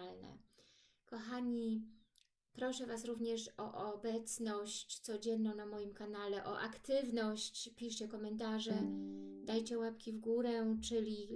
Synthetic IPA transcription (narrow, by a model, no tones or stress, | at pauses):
lnɛ̰ | kɔxaɲi | pɾɔʂɛvasɾuvɲɛʂɔʔɔbɛt̪snɔɕt͡ɕt̪sɔd͡ʑɛnːɔ̃w̃namɔjimkanalɛʔɔ̰ʔakt̪ɘvnɔɕt͡ɕpʲiʂt͡ɕɛkɔmɛnt̪̬aʐɛd̪ajt͡ɕɛwɛpkʲivɡuɾɛt͡ʂɘlʲi